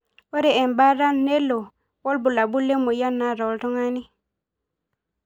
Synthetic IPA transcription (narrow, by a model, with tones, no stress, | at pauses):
wo˦ɾe˨e˨nba˦ɾa˦nːe˦lːo˨ | wo˦lbu˨la˨bu˦lːe˦mu˨ja˦nːa˨ɾo˨˦lto˦ŋa˦ni˦